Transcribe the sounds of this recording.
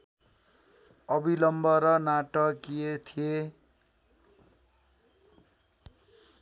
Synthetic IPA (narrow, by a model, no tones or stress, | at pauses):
ʌbʱilʌmbʌɾʌnaʈʌkijet̪ʰije